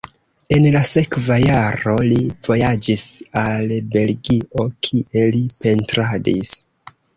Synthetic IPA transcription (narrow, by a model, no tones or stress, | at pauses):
e̞nlase̞kvajaɾo̞liv̥o̞jad͡ʒisalbe̞lɡiʔo̞kʰiʔe̞lipe̞ntɾadis